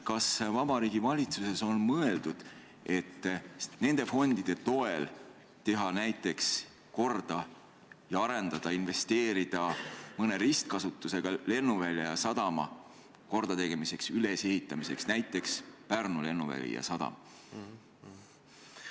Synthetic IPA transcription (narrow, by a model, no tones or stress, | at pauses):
kɑsvɑb̥ɑɾiːɡ̥ivɑlʲit̪suse̞so̞nmɤe̞ld̪̥ud̪̥ | ʔe̞t̪ːne̞nd̪̥e̞fo̞nd̪id̪̥e̞t̪o̞e̞l | t̪e̞ɦɑnæjt̪ːˑe̞ks | ko̞rd̪̥ɑ | jɑɑɾe̞nd̪ɑd̪̥ɑinve̞st̪e̞ːɾid̪̥ɑmɤne̞ɾist̪̚kɑsut̪ːˑuse̞ɡ̥ɑle̞nːuvælʲːjɑjɑsɑd̪̥ɑmɑ̰ | ko̞rd̪̥ɑt̪e̞ɡ̥e̞mise̞ksyle̞se̞hit̪ˑːɑmise̞ksnæjt̪ːˑe̞kspærnule̞nːuvæ̰lʲḭjɑ̰sɑd̪̥ɑ̰m